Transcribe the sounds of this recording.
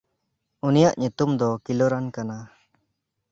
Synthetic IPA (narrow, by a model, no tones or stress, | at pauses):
unijaʔɲut̪umd̪ɔkilɔɾankana